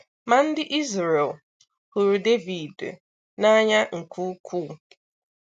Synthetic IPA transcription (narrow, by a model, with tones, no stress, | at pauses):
ma˨n̩˦dɪ˦ʔi˦zɾe˨l | hu˨ɾu˨de˦vi˨d | na˦ɲa˦ŋ̩˨kʰu˦kʰu˦˨